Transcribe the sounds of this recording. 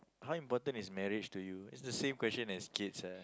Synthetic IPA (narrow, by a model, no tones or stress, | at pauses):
hawĩmpɔtə̃nismɛɹit͡ʃtujuɪtsdəsẽmkwɛsə̃nɛskitsa